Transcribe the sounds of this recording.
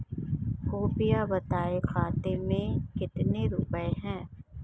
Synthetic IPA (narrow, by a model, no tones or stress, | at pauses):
koːpɪjabɐt̪aːexaːt̪emẽkɪt̪neɾʊpəeɦɛ̃ː